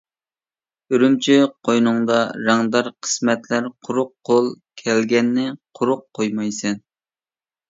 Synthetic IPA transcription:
yɾymt͡ʃʰiqʰojnʊŋd̪ɑɾɑŋd̪ɑɾqʰə̥smɛt̪læɾqʰʊɾʊqʰːolˠkʲʰɛlɡʲɛnːɪqʰʊɾʊqʰːojmɑjsɛn

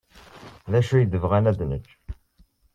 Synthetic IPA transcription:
ðæʃujid̪əvʁænæd̪nə̰t͡ʃː

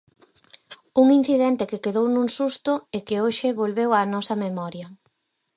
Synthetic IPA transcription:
uŋin̟θiðent̪ɪkekeðownũŋsust̪ʊekeoʃɪβolβewanɔsɐmemɔɾjɐ

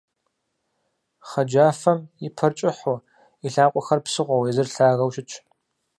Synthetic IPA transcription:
χɐd͡ʒaːfɐmjɪpʰɐrt͡ʃʼɪħʊ | iɬaːqʷʼɔxɐrpsɨʁʷɔwɛzɨrɬaːɣɐwʃʼɪt͡ʃʰʼ

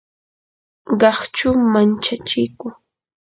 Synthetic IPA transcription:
ɢɑχt͡ʃʊmant͡ʃat͡ʃɪkʊ

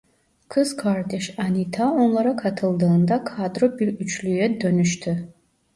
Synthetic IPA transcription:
kʰɯz̥kʰaɾd̪eʃanit̪ʰaonlˠɑɾakʰɑt̪ʰɯlˠd̪ɯːnd̪akʰad̪ɾobiɾyt͡ʃʰlyjɛd̪ønyʃt̪ʰy

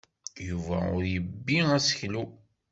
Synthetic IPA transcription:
juvæ̰ʊ̰ɾjəbːiæsə̥çlu

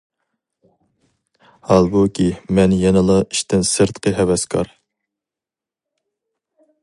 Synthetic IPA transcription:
hɑlˠbukʲʰimɛnjɛnɨlˠɑiʃt̪ɪnsɨɾt̪qʰəɦɛwɛskʰɑ̰ɾ

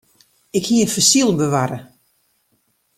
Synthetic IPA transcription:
ɪkhiənfəsilˠbəʋaɾə

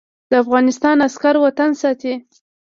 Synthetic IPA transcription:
d̪̥əafɣɑnɪst̪ɑnaskaɾwat̪ansɑt̪e

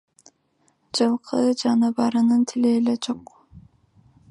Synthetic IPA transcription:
d͡ʒɯlˠqʰɯd͡ʒɑnɯbɑɾɯnɯnt̪ʰileːled͡ʒoq

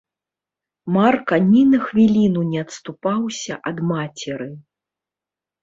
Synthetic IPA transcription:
markɐnʲinɐxvʲilʲinunʲɛɐt̪st̪upawsʲɐʔɐd̪mat͡sʲɛɾɨ

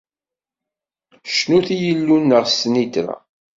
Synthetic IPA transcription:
ʃnuθijəlːunːəʁsnit̪ɾa̰

